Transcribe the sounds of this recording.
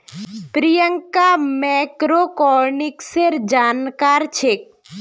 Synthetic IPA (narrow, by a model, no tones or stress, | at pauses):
pɾijəŋkamɛkɾokɔɾnɪkseɾd͡ʒaːnkaːɾt͡ʃʰek̚